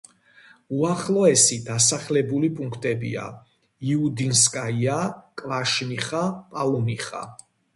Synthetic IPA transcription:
uaχlˠɔɛsid̪asaχlɛbulipʼuŋkʰt̪ʼɛbḭa̰ | iud̪inskʼaiakʼvaʃniχapʼalɔmiχa̰

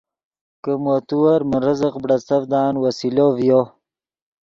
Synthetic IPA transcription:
kəmot̪uwɐɾməɾəzəqbɽɐsɐvd̪aːnwɐsilovjo

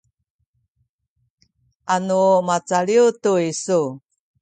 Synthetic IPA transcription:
ʔanumat͡saɭiutuisu

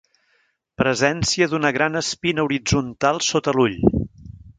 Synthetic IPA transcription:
pɾəzɛnsiəðunəɣɾanəspinəuɾid͡zunt̪alˠsot̪əluʎ

